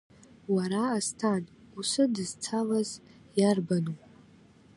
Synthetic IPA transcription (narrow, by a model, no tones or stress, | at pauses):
waɾaːstʰan | usɨdɨzt͡sʰalaz | jarbanu